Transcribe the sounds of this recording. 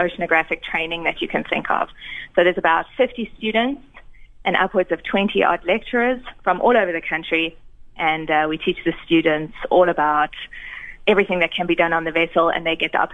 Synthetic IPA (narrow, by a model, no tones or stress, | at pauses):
oʊʃnɨɡɹæfɪk̚tʰɹ̥ẽɪ̃nɪ̃ŋðɨt͡ʃɨkʰɨ̃nθɪ̰̃ŋkʰə̰v̥soʊðəzəbaʊtfɪftistʉːdⁿn̩tsʔɨ̃nʌ̰pwədzʌv̥tʰw̥ɛ̃ntʰiʔɑ̰dlɛk̚t͡ʃəɹəz̥fɹə̃mʔɔːlˠoʊvəðɨkʰʌ̃nt͡ʃɹ̥iʔɨ̃nʌwitʰit͡ʃðɨstʉːdⁿn̩tsɔːlˠəbaʊt | ɛvɹiθɪ̃ŋðɨt̚kʰɨ̃nbidʌ̃nə̃nðəvɛsəl̩ˠə̰̃nðeɪɡɛt̪̚ðʌ̰p